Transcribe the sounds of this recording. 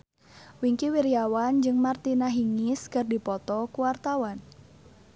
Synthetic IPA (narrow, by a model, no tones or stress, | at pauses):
wiŋkiwiɾjawand͡ʒɨŋmart̪inaɦiŋiskɨrdipɔt̪ɔkuwart̪awan